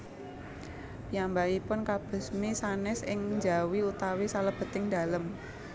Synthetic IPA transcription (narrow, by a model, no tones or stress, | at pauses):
pijambaipʊnkab̥ə̤smisanɛsɪŋnd͡ʒa̤wiut̪awisaləb̥ə̤t̪ɪŋd̥̪a̤ləm